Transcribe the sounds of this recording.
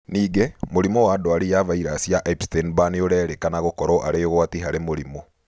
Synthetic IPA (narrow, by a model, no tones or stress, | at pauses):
niːɡemoɾimɔwaːdoaɾejavaiɾasiaʔapstenbaneoɾɛɾekanaɣokɔɾɔʔaɾeoɣwatiɦaɾemoɾimo